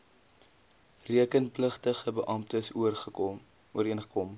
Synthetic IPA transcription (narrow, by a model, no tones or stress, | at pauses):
riəkənpləχtəχəbəʔɐmptəsuərχə | uəɾiənχəkɔm